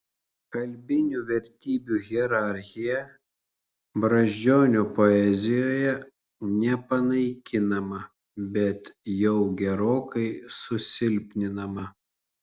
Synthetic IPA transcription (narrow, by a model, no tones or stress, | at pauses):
kɐlʲbʲɪnʲuʋʲɛɾʲt̪ʲiːbʲuɣʲɛɾɑˑɾʲxʲɪjɛ | bɾɐʒʲd͡ʒʲoːnʲoːpoɛzʲɪjoːjɛ | nʲɛpɐnɐɪkʲɪnɐmɐ | bʲɛt̪jɛʊɡʲɛɾoːkɐɪsʊsʲɪlʲpʲnʲɪnɐmɐ